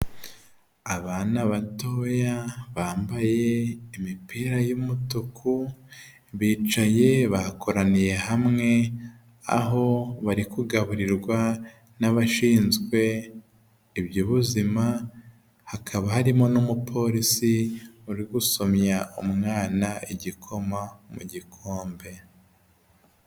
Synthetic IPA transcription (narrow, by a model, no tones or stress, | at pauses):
aβaːnaβato̞ːjaβaːmbaje̞imipiːɾajumutukʰu | βiːt͡ʃaje̞βakʰo̞ɾanije̞hamŋe̞ | a̰ɦo̞βaɾikuɡaβuɾiɾɡwa | naβaʃiːnzɡwe̞ | ibjoβuzima | hakʰaβahaɾimo̞numupʰo̞ɾisiuɾiɡuso̞mɲaumŋaːnaiɟikʰo̞mamṵɟikʰo̞ːmbe̞